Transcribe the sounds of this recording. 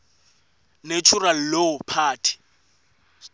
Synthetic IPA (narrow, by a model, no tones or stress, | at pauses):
net͡ʃʰural̩leʊpʰaːtʰi̥